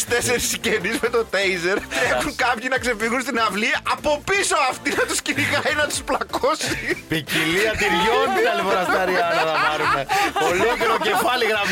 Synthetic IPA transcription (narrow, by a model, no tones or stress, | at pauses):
st̪e̞se̞ɾiscenizme̞t̪o̞t̪ejze̞ɾexuŋkɐpçinɐkse̞fiɣunst̪inɐvliɐpo̞piso̞ɐft̪inɐt̪usciniɣɐjnɐt̪u̥splɐko̞si̥piciliɐt̪iɾʝoniɐlifoɾɐsɐɾiɐnnɐpɐɾumepolocet̪ocefɐliɣɾɐm